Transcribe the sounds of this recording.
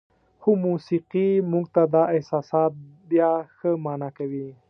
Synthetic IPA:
xomusiqimuɡ̚t̪ad̪ɑɪhsɑsɑt̪̚bjɑxəmɑnakawi

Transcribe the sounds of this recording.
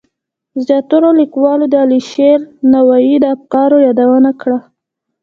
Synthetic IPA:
zjɑt̪uɾolikwɑlod̪əaliʃelnawajid̪əaf̚kɑɾojɑd̪awənakɽa

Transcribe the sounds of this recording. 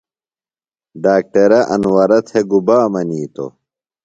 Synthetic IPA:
ɖaːk̚ʈɐɾɐʔɐ̰nwɐɾɐt̪ʰeɡubaːmɐniːt̪o̰

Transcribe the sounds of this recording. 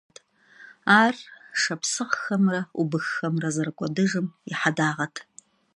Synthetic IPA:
tʰ | aːrʂɐpsɨqxɐmrɐubɨxːɐmrɐzɐrkʷʼɔdɨʐɨmɪħadaːʁɐtʰ

